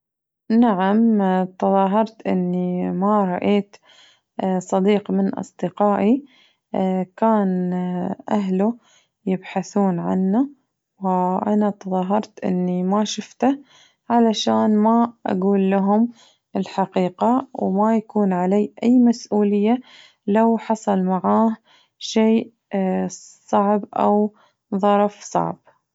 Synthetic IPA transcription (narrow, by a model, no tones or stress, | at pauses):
naʕamt̪ɑðˤɑːɦɑɾˤt̪ʔɪ̰nːimaɾˤɑʔeːt̪ | sˤɑd̪iːqmɪnʔɑ̰sˤd̪̥ɨqɑːʔi | kaːn | ʔaɦlu | jɪbħaθuːnʕa̰nːa | wʔanat̪ɑðˤɑːɦɑɾˤt̪ʔɪ̰nːimaʃʊft̪a | ʕalaʃaːnmaʔa̰ɡuːlːaɦʊm | ɪlħaqiːqawmajakuːnʕalaːʔajːmasʔuːlɪjːa | lawħɑsˤɑlmaʕaːh | ʃeːʔ | sˤɑʕbʔa̰w | ðˤɑɾˤfsˤɑ̰ʕb̥̚